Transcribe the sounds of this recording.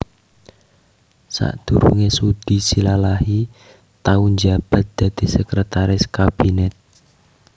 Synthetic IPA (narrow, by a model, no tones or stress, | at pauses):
sa̰ʔd̪̥uɾuŋesud̪̥isilalahi | t̪aund͡ʒab̥a̤t̪̚d̪̥ä̤d̪̥i̤səkɾət̪aɾɪskab̥inɛt̪̚